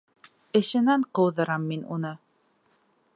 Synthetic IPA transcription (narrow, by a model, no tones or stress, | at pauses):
ɘ̆ʃɘ̆næɴqɤ̆wðɤ̆ɾɑmːinṵnɤ